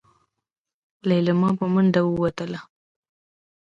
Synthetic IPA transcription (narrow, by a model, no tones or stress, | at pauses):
lajləmɑpəmənɖ̪awəwat̪əla